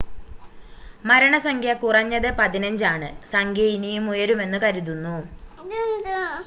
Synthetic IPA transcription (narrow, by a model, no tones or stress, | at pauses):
mɐɾɐɳɐsɐŋɡʱjɐkurɐɲːɐðɨpɐðinɐɲd͡ʑaːɳɨsɐŋɡʱjɐinijumujɐɾume̞nːɨkɐɾiðunːu